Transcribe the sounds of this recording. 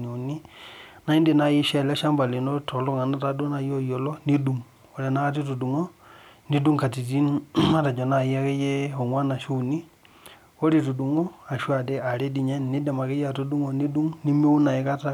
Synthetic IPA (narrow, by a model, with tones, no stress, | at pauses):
ni˨u˨ni˦na˦i˦nde˦˨na˦˨ji˦ʃɛ˦˨lɛ˦ʃa˦mba˨li˨no˦to˨lo˦ŋa˨na˦ta˨˦du˦na˨jo˦jo˨lɔ˦ni˦du˦˨ŋ | o˨˦ɾe˨na˦a˦t̬i˦tu˨du˨ŋo˦ | ni˦du˦ŋka˨ti˨t̬i˦na˦ɾa˨d͡ʒo˨na˨ja˦ke˦je˦o˨ŋwa˦na˨ʃu˦˨ni˦ | o˦ɾi˨tu˨du˨ŋo˦a˨ʃu˦a˨de˦a˨ɾe˦di˨ɲɛ˦n˨ni˦de˨ma˨ke˦ja˦˨tu˦du˦ŋo˨ni˦du˦ŋni˦mi˦u˦na˨i˦ka˦ta˦